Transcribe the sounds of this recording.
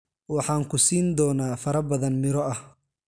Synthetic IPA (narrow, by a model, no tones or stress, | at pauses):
wɑħɑːŋkʰʊsiːnd̪ɔːnaːfɐɾɐbɐðɐnmɪɾɔɐh